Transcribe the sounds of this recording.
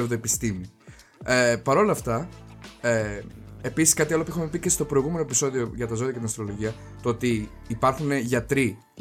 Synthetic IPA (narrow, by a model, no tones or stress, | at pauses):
vðoepist̪imiepɐɾo̞lɐft̪ɐ | eepisi̥skɐt̪iɐlopuexume̞picest̪o̞pɾo̞iɣume̞noepiso̞ðio̞ʝɐt̪ɐzo̞ðiɐcet̪inɐst̪ɾo̞lo̞ʝiɐ | t̪oo̞t̪iː | pɐɾxune̞ʝɐt̪ɾi